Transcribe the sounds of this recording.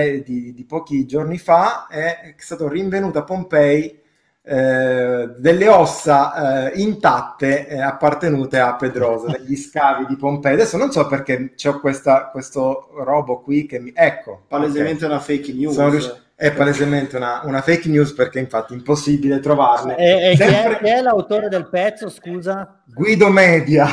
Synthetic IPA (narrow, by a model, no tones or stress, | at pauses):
d̪id̪ipɔːk̟id͡ʒornifaɛ̥st̪aːt̪oriɱvenuːt̪oapːompɛj | d̪elːeɔsːaint̪at̪ːeapːart̪enuːt̪eapːed̪ɾɔːzoneʎːiskaːvid̪ipompɛjad̪ɛsːononsɔpːerk̟et͡ʃɛkwest̪akwest̪oɾɔːbokwikːemːiɛkːopalezement̪eunafejknjusonoɾjuʃ | ɛpːalezement̪eunaunafejknjuːsperk̟eiɱfat̪ːiimposːibilet̪ɾovarnesɛmpɾekɛlːawt̪oːɾed̪elpɛt̪sːoskuːza | ɡwiːd̪omɛːd̪ja